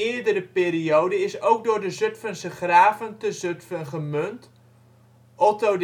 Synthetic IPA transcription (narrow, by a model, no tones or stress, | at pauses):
ɪədəɾəpɪːriowdəɪsowk̚dʊːrdəzøtfənsəχraːvəntəzøtfənχəmønt | ɔtod